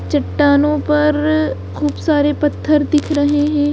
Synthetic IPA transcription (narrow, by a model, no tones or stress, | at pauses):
t͡ʃɐʈːaːnõpɐɾ | xuːbsaːɾepɐt̪ʰːəɾd̪ɪkʰɾɐɦeɦɛ̃ː